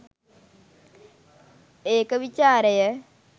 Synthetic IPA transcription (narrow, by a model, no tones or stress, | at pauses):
eːkəʋit͡ʃaːɾəjə